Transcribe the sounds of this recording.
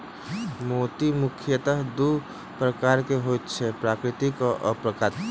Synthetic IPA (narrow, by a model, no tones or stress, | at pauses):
mot̪imʊkʰjət̪əɦd̪u | pɾəkaːɾkeɦot̪t͡ʃʰɛpɾaːkɾɪt̪ikoʔə̰pɾəkat̪